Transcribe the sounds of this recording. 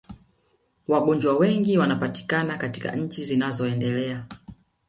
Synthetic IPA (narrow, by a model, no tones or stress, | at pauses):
waɡuɲd͡ʒwawɛŋɡiwanapati̥kanakatika̰ɲ̩t͡ʃizinazɔɛndɛlɛa